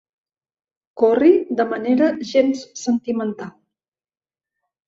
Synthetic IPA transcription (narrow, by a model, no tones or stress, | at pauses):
kɔrid̪əməneɾəʒenssənt̪imənt̪alˠ